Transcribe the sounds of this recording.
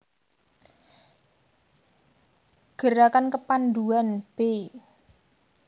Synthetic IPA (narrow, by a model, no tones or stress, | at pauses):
ɡ̥ə̤ɾakankəpand̪uanb̥e